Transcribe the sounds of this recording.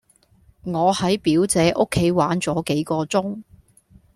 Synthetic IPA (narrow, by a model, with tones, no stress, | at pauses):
ŋɔː˨˧hɐ˨˥jpiː˨˥wt͡sɛː˨˥ʔʊ˥kʰːe˨˥jwaː˨˥nt͡sɔː˨˥ke˨˥jkɔː˧t͡sʊ˥ŋ